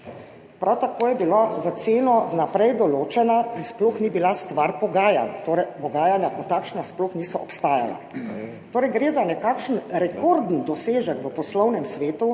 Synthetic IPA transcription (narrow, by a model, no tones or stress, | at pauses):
pɾawt̪akoːjɛbilaʋət̪seːnɔnapɾɛjd̪ɔloːt͡ʃɛnainspluxnibilast̪ʋaɾpɔɡaːja̰nt̪oːɾɛjpɔɡaːjanjakɔt̪akʃnaspluxniːsɔʔɔpst̪aːja̰la̰ | t̪oːɾɛjɡɾeːzanɛkakʃən̩ɾɛkɔɾd̪n̩d̪ɔseːʒɛkʋəpɔslɔwnɛmsʋeːt̪u